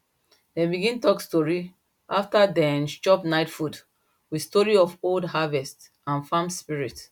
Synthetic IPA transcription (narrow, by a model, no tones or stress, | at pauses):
dɛ̃biɡĩntɔkstɔɹi | ʔaftadɛ̃nt͡ʃɔpnaɪtfud | wistɔɹiɔfoldɦavɛst | ãnfãmspiɹit